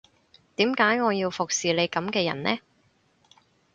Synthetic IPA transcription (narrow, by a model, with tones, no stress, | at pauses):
t̪iː˨˥mkaː˨˥jŋɔː˨˧jiː˧wfʊ˨k̚siː˨le˨˧jkɐ˨˧˥mkɛː˧jɐ̰˨˩nnɛː˥